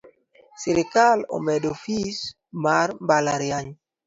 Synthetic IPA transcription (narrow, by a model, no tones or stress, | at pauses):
sɪɾɪkalo̰mɛdofis | marmbalaɾjaɲ